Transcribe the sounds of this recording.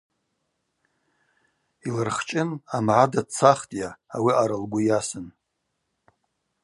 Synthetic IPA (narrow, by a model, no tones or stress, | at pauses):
ilɨrχt͡ʃʼɪnamʕadat͡sʰaχtʼjaːwiaɾɨlɡʷʊjasɨn